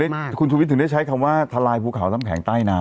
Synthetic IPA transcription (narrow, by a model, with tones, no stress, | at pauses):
a˥˩kʰu˧nt͡ɕʰuː˧w̪̚ʰɯ˩˦da˥˩t͡ɕʰa˦˥jkʰa˧mwaː˥˩t̪ʰa˧laː˧jpʰuː˧kʰa˨˩˦wnaː˦˥˩mkʰɛ̰ː˩˦ŋt̪aː˥˩jnaː˧